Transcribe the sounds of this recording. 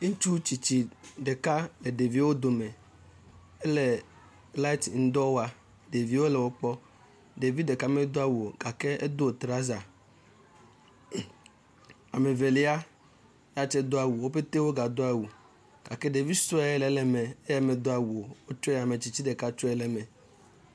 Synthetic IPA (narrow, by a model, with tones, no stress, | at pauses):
ŋ̩˦t͡ʃu˦t͡ɕi˨t͡ɕi˦ɖe˨ka˦lɛ˨ɖe˨vi˦wo˦d̪o˨me˨ | e˦le˨ | la˦i˦t̪ŋ̩˦d̪ɔ˦wo˦a˨ | de˨vi˨˦wo˦lɛ˨wo˦k͡pɔ˦ | ɖe˨vi˦dde˨ka˦mẽ˦d̪o˦a˦wu˨o˨ɡa˨ke˦e˦d̪o˦˨t̪ɾa˦za˨ | a˨me˨ve˨li˦a˦ | ja˦t͡ʃɛ˦d̪o˦a˨wu˨wo˦ɸe˦t̪e˦wo˦ɡa˨d̪o˦a˨wu˨ | ɡ̥a̰˨kɛ˦ɖe˨vi˦sɔ˦ɛ˦ɛ˦lɛ˨lɛ˨mɛ˨e˦ja˨me˨d̪o˦a˨wu˨o˨wo˦t͡ʃɔ˦˨a˨me˨t͡ɕi˦t͡ɕi˦ɖe˨ka˦t͡ʃɔ˦ɛ˦lɛ˨mɛ˨